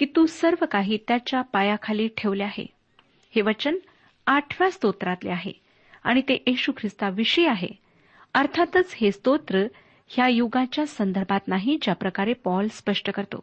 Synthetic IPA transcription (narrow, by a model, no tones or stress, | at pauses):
kiːt̪uːsəɾʋəkaɦiːt̪jat͡ɕjapajakʰaliʈʰeʋleaɦḛ | heʋət͡ɕən | aʈʰʋjast̪ot̪ɾat̪lḛaɦḛ | a̰ɽ̃it̪eʔiɕukʰɾist̪aʋiɕiaɦḛ | əɾt̪ʰat̪ət͡shest̪ot̪ɾə | hjajuɡat͡ɕjasənd̪əɾbʱat̪naɦid͡ʑjapɾəkaɾepɔlspəʂʈəkəɾt̪o̰